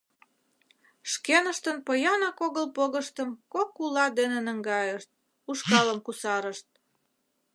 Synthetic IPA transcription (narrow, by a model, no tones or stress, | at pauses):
ʃkenəʃt̪ənpəjɑnɑkoɣəlpoɣəʃt̪əmkokːulɑd̪enenə̆ŋɡɑjəʃt̪̚ | uʃkɑləmkusɑɾəʃt̪̚